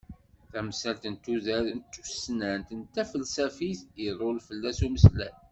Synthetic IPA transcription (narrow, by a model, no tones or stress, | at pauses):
θæmsælt̪ənt̪ːuðæɾnt̪ːu̥snænt̪ənt̪ːæfəlsæfiθəɾˤʊlfəlːæsuməslæ̰n